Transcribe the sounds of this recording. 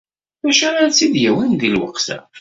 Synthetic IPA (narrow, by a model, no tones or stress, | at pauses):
bæʃæɾaɾt͡sːid̪jæwinðilwə̰qsæ̰